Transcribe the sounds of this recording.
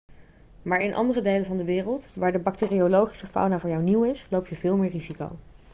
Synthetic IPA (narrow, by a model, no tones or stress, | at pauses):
maːɹɪnʔɑ̰ndərədejlənvɑndəʋɪːrəlˠtʋaːɹdəbɑk̚tɪːriolowχi̥səfa̰wnaːvʊːɹjawniwɪslowpjəvɪːlˠmɪːɹriziko̰w